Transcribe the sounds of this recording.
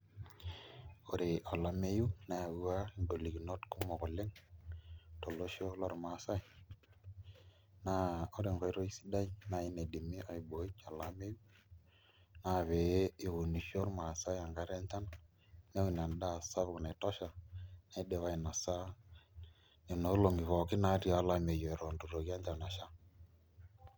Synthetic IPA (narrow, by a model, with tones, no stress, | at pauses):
o˦ɾe˨ʔɔ˨la˦me˦ju˦na˨a˨wu˦a˦˨ndo˨li˨ki˨no˦tku˦mɔ˨kɔ˨le˦ŋ | to˨lo˦ʃo˦lɔ˦ɾma˨sa˦j | na˨˦o˦ɾe˨ŋɡɔ˨i˦ɾo˦i˦si̥˦da˦i˦na˨i˦ne˨di˨mi˦ʔɔ˨i˨bo˨i˦t͡ʃɔ˨la˦me˦ju˦ | na˨βɛ˨je˦ɪ˦wu˨ni˨ʃo˦ɾma˨sa˦ja˨ŋɡa˨˦ɾɛ˦nta˦na˨ | nɛ˦i˨n˨a˨nda˦˨sa˦βu˨kna˨tɔ˦ʃa˨na˨˦dɛ˨βa˦i˨na˨sa˦ | ne˨no˨˦lo˨ŋɡi˨βɔ˨kɪ˦na˨˦ɾi˦˨a˦la˦me˨jɔ˨ɛ˨ɾɔ˨ndu˨ɾo˨ɣja˦ɲd͡ʒa˨na˨ʃa˦